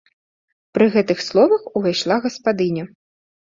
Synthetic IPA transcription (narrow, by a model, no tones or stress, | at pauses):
pɾɨɣɛt̪ɨxslˠɔvɐxuvajʂlˠaɣɐspad̪ɨnʲɐ